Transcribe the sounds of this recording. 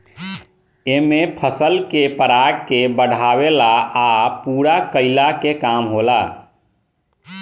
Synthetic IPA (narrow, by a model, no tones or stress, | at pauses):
emẽpʰəsəlkepəɾaɡ̚kebəɽ̤ʱaːwelaapuːɾakəɪlakekaːmɦolaː